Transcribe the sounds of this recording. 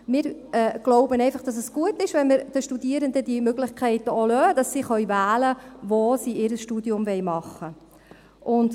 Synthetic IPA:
mɪːɾɛɡ̥loʊbənɛɪfɑχd̥ɑs̬əsɡ̥uətːɪʃʋɛnməɾd̥əʃtud̪iəɾənd̪ədimøɡlɪχkʰχɛɪtəolœːd̥ɑsːiːχœɥvæːləvosiːɪɾəsʃtudjʊmvɛjmɑχːə | ʔʊnd̥

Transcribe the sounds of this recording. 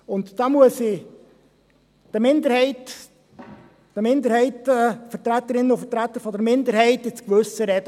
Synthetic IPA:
ʊnt̪d̥ɑmuəsɪ | d̥əmɪnd̪əɾhɛɪt | d̥əmɪnd̪əɾhɛɪtəfətɾæt̪ːəɾɪnːəʊfətɾæt̪ːəɾfɔdəɾmɪnd̪əɾɦɛɪtɪt͡skʋɵsːəɾɛd̥ə

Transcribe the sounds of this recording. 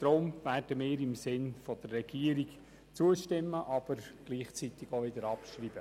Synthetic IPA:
tɾoːmværd̥əmɪːɾɪmsɪnfod̥̪ərːɛɡ̥iəɾiɡ | t͡suəʃtɪmːəʔɑb̥əɾɡ̥liːχt͡sit̪ɪɡ̥oʋɪd̪əɾɑpʃriːb̥ə

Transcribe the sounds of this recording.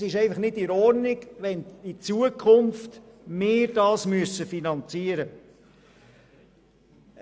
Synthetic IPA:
ɪʃɛɪfɑχnɪtɪɾɔɾnɪɡʋɛnit͡suːəkʰχʊmft | mɪːɾdɑːsmyəsəfinɑnt͡siəɾə

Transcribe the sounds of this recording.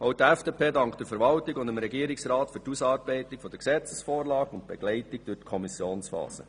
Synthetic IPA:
oʊtæfd̥epʰeːdɑŋkχd̥əɾfəɾʋɑltɪɡʊnd̪əmɾɛɡiəɾɪksɾɑːtfytusɑːɾb̥ɛɪtɪkfɔd̪əksɛt͡səsfoːrlɑːɡʊnt̪̚b̥ɛɡ̥lɛɪtɪɡ̚d̥ʉtkʰɔmisjoːnsfɑ̰ːsə̰

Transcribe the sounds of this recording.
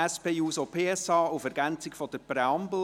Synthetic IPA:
ɛspeːuːsopʰeːɛsɑːufɛɾɡænt͡sɪkfɔd̥̪əpɾɛɑmbl̩

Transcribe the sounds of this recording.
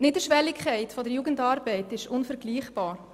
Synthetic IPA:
nɪdəʃʋɛlːɪkʰχɛɪtfɔdəɾjuːɡəndɑːɾbɛɪtɪʃʊnfəɾɡliːχb̥ɑːɾ

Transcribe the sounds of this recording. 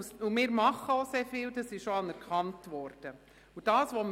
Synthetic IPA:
sumɪːɾmɑχːəɔseːfiːld̥ɑsɪʃʃɔɑnɛɾkχɑntʋɔɾd̥ə | ʊd̥ɑːsʋɔm

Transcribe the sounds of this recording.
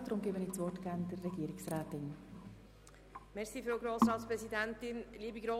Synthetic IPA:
d̥ɾʊmɡeːbəniːtsʋɔrtɡæːɾndərːɛɡ̥iəɾɪksraːt̪ɪn | mɛɾsiːfɾowɡɾoːsɾɑːt̪spɾɛzid̪æntɪnliːbiɡɾoː

